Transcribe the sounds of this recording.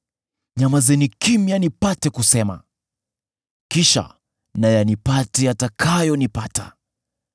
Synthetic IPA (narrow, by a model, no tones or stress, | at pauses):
ɲamazɛnikimjanipatɛkusɛma̰ | kiʃa̰ | najanipatɛjatakʰajɔnipata̰